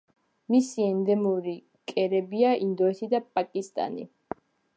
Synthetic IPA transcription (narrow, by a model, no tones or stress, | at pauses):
misiɛnd̪ɛmuɾi | kʼɛɾɛbiaʔind̪ɔɛt̪ʰid̪apʼakʼist̪ʼa̰nḭ